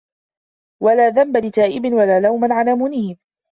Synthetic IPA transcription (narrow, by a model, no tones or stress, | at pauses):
walaːðambalɪt̪aːʔɪbɪnwalaːlawmanʕanamuːnɪhɪm